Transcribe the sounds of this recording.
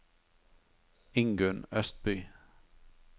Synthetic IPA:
ɪŋɡʉnœst̪̚byː

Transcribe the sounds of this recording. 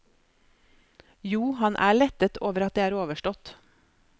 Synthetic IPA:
juːhɑnʔæ̰ːɭɛt̪ət̪ʰoːʋəɾɑt̪̚d̪eːæːɾoːʋəʃʈɔt̪

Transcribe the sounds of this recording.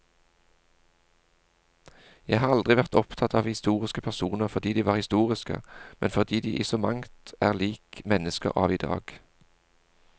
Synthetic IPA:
jæhɑːʁɑld̪ʁɪʋæʁt̪ɔpt̪ʰɑt̪ɑːʋhɪst̪uːʁɪskəpʰæʁsuːnəʁfɔʁd̪iːd̪iːʋɑːʁhɪst̪uːʁɪskə̰mɛ̰nfɔd̪iːd̪iːʔɪsɔmɑŋt̪æːʁliːkmɛnəskə̰ʁɑ̰ːʋiːd̪ɑ̰ːɡ̥

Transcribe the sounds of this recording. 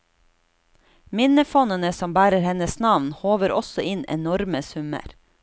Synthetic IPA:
mɪnəfɔnənəsɔmbæːɾəɾhɛnəsnɑʋnhoːʋəɾɔsɔʔɪnɛ̰nɔɾməsʉmə̰ɾ

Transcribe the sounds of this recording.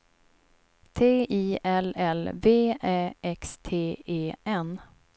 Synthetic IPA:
t̪ʰeːiːʔɛlɛlveːɛːʔɛkst̪ʰeːeːʔɛn

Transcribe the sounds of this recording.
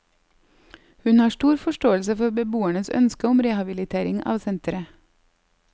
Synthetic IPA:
hʉnhɑːʃʈuːɾfɔʃʈoːəlsəfɔɾbəbuːæɳəsœ̰nskəʊmɾɛhɑbɪlɪt̪ʰeːɾɪŋɑ̰ːʋsɛnt̪ɾə

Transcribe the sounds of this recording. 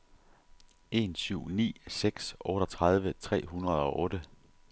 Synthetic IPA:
ʔe̝nsyʊ̰nḭːseɡ̥sʔɔ̽ːɾ̥ɒ̽t͡sʰʁɑð̞ˠʋət͡sʰʁɛ̰ːɦhunɐð̞ˠɒ̽ʔɔ̽ːɾ̥ə

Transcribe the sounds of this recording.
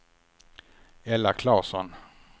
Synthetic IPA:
ɛlːakʰlɑːsɔn

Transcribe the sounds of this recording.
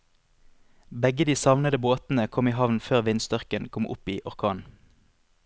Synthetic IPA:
bɛɡəd̪iːsɑʋnəd̪əboːt̪n̩əkʰɔmiːɦɑʋnføːʁʋɪnst̪œʁkənkʰɔmʔʊ̰piːʔɔʁkʰɑːn

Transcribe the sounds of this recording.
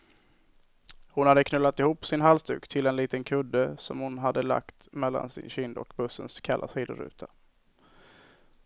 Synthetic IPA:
hʊnhad̪ːəkʰnœlːat̪ɪhuːpsɪnɦalsd̪ʉ̟ːkt̪ʰɪlɛnliːt̪ənkʰɵd̪ːəsɔmhʊnɦad̪ːəla̰kt̪mɛlːa̰nsɪ̰nɕʏnd̪ɔ̰kbɵsːənskʰalʔasiːd̪əɾʉ̟̰ːt̪ʰa

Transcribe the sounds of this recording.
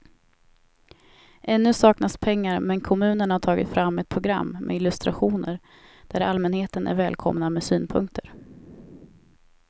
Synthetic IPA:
ʔɛnːɵsɑːknaspʰɛŋːaɾmɛnkʰɔmʉ̟ːnəɳhaʈʰɑːɡɪ̰t̪fɾamːɛt̪̚pʰɾʊɡɾa̰mːmʔɛ̰ɪlɵst̪ɾaɧuːnəɾ | d̪̥æɾalmɛnheːt̪ənʔæ̰ɾvɛːlkʰɔ̰mnamɛsyːnpʰɵ̰ŋk̚t̪ʰəɾ

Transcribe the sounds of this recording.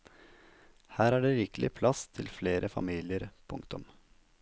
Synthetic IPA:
hæːɾæːɖeːɾɪkəlʔɪ̰pʰlɑst̪ʰɪlfleːɾʔəfɑ̰miːlɪəɾpʰʊŋkt̪ʊm

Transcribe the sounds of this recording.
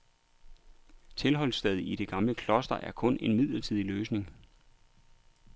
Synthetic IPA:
t͡sʰe̝lɦɒ̽lsd̥ɛð̞ˠiiɾ̥e̝ɡ̥ɑ̈mləkʰlɒ̽sd̥ɐʔæɐkʰɔ̽ne̝nmið̞̰ˠlɐt͡sʰiðˠiløːsne̝ŋ

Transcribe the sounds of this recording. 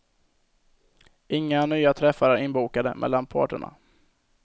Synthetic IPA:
ʔɪŋːanyːat̪ʰɾɛfːaɾæɾɪnbuːkad̪əmʔɛ̰lːanpʰɑ̰ːʈə̰ɳa̰

